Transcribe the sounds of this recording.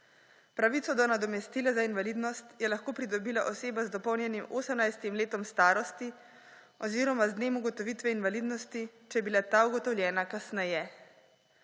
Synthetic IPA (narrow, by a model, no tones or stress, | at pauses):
pɾaʋiːt̪sɔd̪ɔnad̪ɔmɛst̪iːlazainʋaliːd̪nɔst̪jɛlaxkoːpɾid̪ɔbiːlaʔɔseːbazd̪ɔpɔwnʲjɛnimoːsəmnajst̪imleːt̪ɔmst̪aːɾɔst̪i | ɔziːɾɔmazd̪neːmuɡɔt̪ɔʋiːt̪ʋɛinʋalid̪nɔst̪it͡ʃɛjɛbilat̪auɡɔt̪ɔwljɛːnakasnɛjɛ